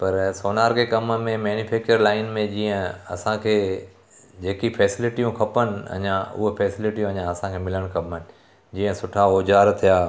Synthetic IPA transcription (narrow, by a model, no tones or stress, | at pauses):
pɐɾsoːnaːɾkʰekɐmmẽmɛːnufɛːk̚t͡ɕəɾlaːɪnmẽd͡ʑiːə̃ɐ̰sãkʰeː | d͡ʑeːkifʰɛːsɪlɪʈijũkʰɐpənɪ̆ɐ̰ɲãʊ̰ɦopɛːsɪlɪʈijũɐɲãɐsãkʰemɪləɽ̃kʰɐpən̆ | d͡ʑiːə̃sʊʈʰaoːd͡ʑaːɾt̪ʰijaː